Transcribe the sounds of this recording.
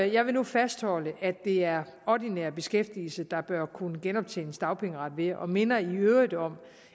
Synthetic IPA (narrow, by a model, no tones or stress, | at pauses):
jɑ̈ɪʋe̝nufæsd̥hɒ̽ləʔæd̥ːe̝æɐɒd̥inɛɐb̥e̝sɡ̥efd̥ḭːl̩səd̥ɑ̈b̥ɶɐkʰunəɡ̥enɒ̽b̥̚t͡sʰḛːnəsd̥ɑ̈ʊpʰeŋəʁɑ̈d̥ʋe̝ʔɒ̽me̝nɐiøʊid̥ɒ̽m̰